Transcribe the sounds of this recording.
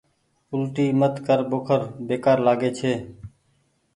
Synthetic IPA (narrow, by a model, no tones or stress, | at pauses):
ʊlʈiːmət̪kəɾboːkʰəɾbeːkaːɾlaːɡeːt͡ʃʰeː